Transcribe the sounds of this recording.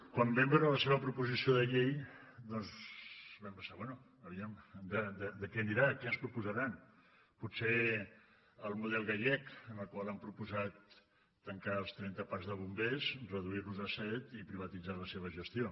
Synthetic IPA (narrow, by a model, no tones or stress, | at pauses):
kwambɛmbeɾələseβ̞əpɾupuzisioðəʎejd̪ɔnzβɛmpəsaβwɛnu | əβiɛmd̪əd̪əd̪əkɛəniɾakɛənspɾupuzəɾan | puse | əlˠmuðɛlˠɣaʎɛkənəlˠkwalˠampɾupuzat̪ː | əŋkaəlˠst̪ɾɛnt̪əpazðəβumbezrəðuirluzəsɛt̪ipɾiβ̞ət̪id͡zaləseβ̞əʒəst̪io